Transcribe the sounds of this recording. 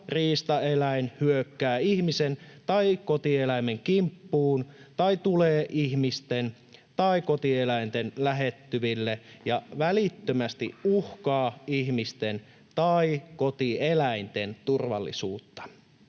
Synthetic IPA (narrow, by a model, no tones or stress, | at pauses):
riːst̪ɑelæinhyøkːæːihmisent̪ɑikot̪ielæimeŋkimpːuːnt̪ɑit̪uleːʔihmist̪en | t̪ɑikot̪ielæint̪enlæɦet̪ːyʋilːejɑʋælit̪ːømæst̪iuhkɑːihmist̪en | t̪ɑikot̪ielæint̪ent̪urʋɑ̰lːḭsuːt̪ːɑ̥